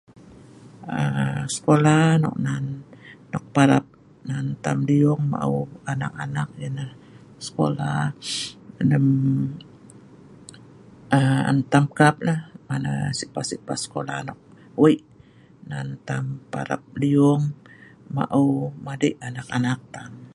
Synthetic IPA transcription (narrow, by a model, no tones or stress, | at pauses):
əsə̥kolanɔ̰k̚nanːɔk̚paɾap̚ | nant̪amliɔŋma̰ʔṵanakanak̚jənah | sə̥ko̰la | dəm | əa̰nt̪amkap̚lahmana̰siʔpasipasə̥kola̰nɔk̚ | wəʔ | nant̪ampa̰ɾa̰p̚liɔŋma̰ʔumadiʔanakanak̚t̪am